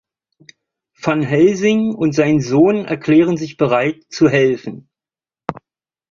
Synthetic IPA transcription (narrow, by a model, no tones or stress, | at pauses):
fanɦɛlzɪŋʊntz̥aɪnzoːnɛ̰ɐkʰl̥eːʁ̞ənzɪçb̥əʁaɪtt͡suɦɛlfn̩